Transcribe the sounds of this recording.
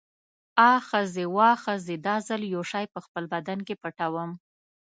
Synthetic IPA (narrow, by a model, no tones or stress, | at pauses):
ɑxəzewɑxəzed̪ɑzəljoʃɑjpəxpəlbad̪ankepəʈawəm